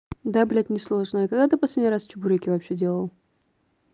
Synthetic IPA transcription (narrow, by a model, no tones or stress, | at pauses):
d̪ablʲæt̪ʲnʲɪslˠoʐnəikɐɡd̪at̪ɨpɐsʲlʲedʲnʲiɾast͡ɕʊbuɾʲəkʲɪvɐpɕːedʲelˠəlˠ